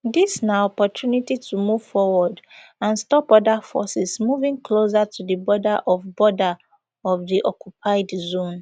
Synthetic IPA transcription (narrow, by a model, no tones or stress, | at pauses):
disnaɔpɔtʰjunititʰumuv̥fɔwɔdãnstɔpɔdafɔ̰sɛsmuvĩŋkʰlos̬atʰudəbɔdaʔɔvbɔda | ɔvðiʔɔkʰjupʰaɪdzõn